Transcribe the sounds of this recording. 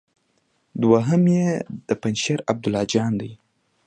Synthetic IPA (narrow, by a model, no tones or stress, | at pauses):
d̪waɦəmjed̪̥əpanʃaɾab̚d̪ʊlɑd͡ʒɑnd̪aj